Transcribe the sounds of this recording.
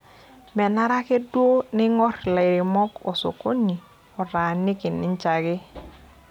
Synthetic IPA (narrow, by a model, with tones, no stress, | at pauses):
mɛ˨na˦ɾa˦ke˦dwo˦nɪ˦ŋɔ˦rla˨jɾɪ˨mɔ˦kɔ˨so̰˨ko˦ni˨ | ɔ˨ɾa˨nːɪ˦kɪ˨nɪ˦ɲt͡ʃa˨ɡɪ˦